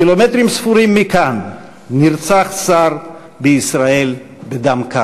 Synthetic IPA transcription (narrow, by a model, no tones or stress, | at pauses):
ilomet̪ʁimsfuʁimːikanː | iʁt͡saχsaʁ | beisʁae̞l | bed̪amka